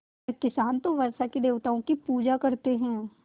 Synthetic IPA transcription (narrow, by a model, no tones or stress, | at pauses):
ɾkɪsaːnt̪oʋɐɾsakid̪eːʋt̪aõkipuːd͡ʒakɐɾt̪eɦɛ̃ː